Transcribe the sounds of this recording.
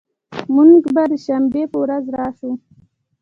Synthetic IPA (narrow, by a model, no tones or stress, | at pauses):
muŋɡbad̪əʃambepəwɾazɾɑːʃu